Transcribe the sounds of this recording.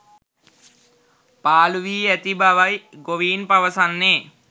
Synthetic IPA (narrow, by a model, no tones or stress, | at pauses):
paːluʋiːæt̪ibaʋajɡoʋiːnpaʋəsanːeː